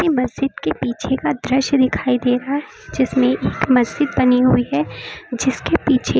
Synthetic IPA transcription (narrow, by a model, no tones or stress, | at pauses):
imɐzd͡ʒɪd̪kepiːt͡ʃʰekad̪ɾɪʃd̪ɪkʰaːid̪eːɾaɦɛd͡ʒɪsmẽʔeːkmɐzd͡ʒɪd̪bɐniɦuiɦɛd͡ʒɪskepiːt͡ʃʰe